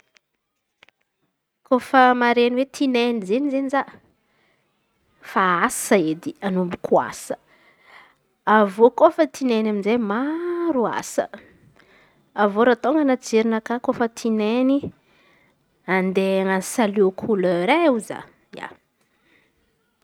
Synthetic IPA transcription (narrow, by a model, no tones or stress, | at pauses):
kofəmaɾeniwet̪ʰinenizenizeniza | faasəed̪ianumbikʰua̰sə̥ | avokofət̪ʰinenaminzemaɾua̰sə̰ | avoɾat̪oŋɡənad͡zeɾinəkakofət̪ʰineni | and̪eŋansaliokʰuləɾeuza̰ | ja̰